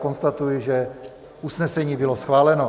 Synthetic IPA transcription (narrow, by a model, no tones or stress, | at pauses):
konst̪at̪ujɪʒɛ | ʔusnɛsɛɲiːbɪlosxvaːlɛno